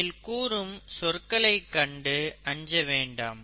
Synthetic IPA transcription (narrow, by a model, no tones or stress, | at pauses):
ɪlkuːɾɯmsɔrkɐɭɐɪkːɐɳɖɯɐɲd͡ʒɐʋeːɳɖaːm